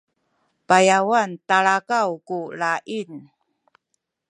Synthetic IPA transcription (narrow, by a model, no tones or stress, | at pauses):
pajawantaɭakawkuɭaʔin